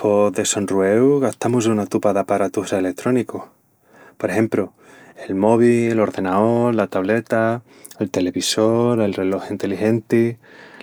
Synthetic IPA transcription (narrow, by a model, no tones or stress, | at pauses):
pʰo̞ðe̞so̞nruewɣaht̪amusunat̪upaðapaɾat̪ufɾaelek̚t̪ɾo̞niko | poɾehe̞mpɾo | e̞lmo̞β̞ielo̞ɾðe̞naoɾlat̪aβle̞t̪a | elt̪e̞le̞βiso̞ɾe̞lre̞lo̞xint̪e̞lixe̞nt̪i